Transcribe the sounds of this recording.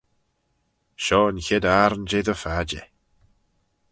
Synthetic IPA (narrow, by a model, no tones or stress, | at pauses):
ʃɔːənçɪd̪aɾnd͡ʒeːd̪əfad͡ʒɛ̰